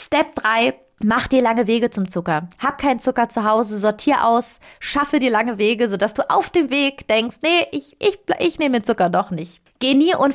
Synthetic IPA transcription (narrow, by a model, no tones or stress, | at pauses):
stɛp̚d̥ʁaɪ | maχd̥iːɐlaŋəveːɡət͡sʊmt͡sʊkɐhaːp̚kʰaɪnt͡sʊkɐt͡suɦaʊzəzɔɐtʰiːɐʔa̰ʊsʃafədiːɐlaŋəveːɡəzodasd̥uːʔa̰ʊfd̥eːmveːkd̥ɛŋkstnəʔɪçʔɪçblʔɪçneːmənt͡sʊkɐdɔχnɪçt | ɡ̥eːniːʔʊn